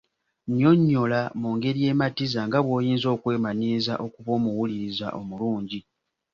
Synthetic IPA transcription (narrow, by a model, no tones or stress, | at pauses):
ɲo̞ɲːo̞lamuːŋɡe̞ɾije̞ːmatizaŋɡaβwo̞ːjiːnzo̞ːkwe̞ːmaɲiza̰ʔo̞kuβo̞ːmuwuliɾiza̰ʔo̞muluːɲɟi